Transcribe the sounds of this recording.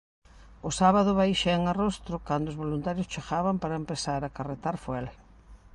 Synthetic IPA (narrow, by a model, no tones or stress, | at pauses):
ʊsaβaðʊβajʃaeŋarost̪ɾʊkand̪oʊzβolunt̪aɾjʊst͡ʃeɣaβampaɾɐempesaɾakaret̪aɾfwɛl